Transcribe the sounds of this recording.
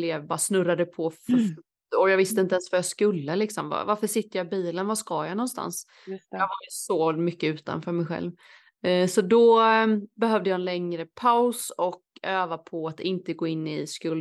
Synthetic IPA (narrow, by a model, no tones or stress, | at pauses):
leːbɑːɾasnɵɾːad̪əpʰɔf | ɔjɑvɪst̪əɪnt̪əɛɛnsvfœɾjɑskɵlːəlɪksɔmva̰vaɾfœʂɪt̪ːəɾjɑɪbiːlənvaskɑjanɔnst̪a̰ns | jɑːɦajsɔmʏkːəʉ̟ːt̪a̰nfœːɾmɛjɧɛ̰lv | sɔd̪ɔ | bɛɦœvd̪əjɑɛnlɛŋɾəpʰaʊsɔkøːvapʰɔat̪ɪnt̪əɡoːɪnːɪskɵlː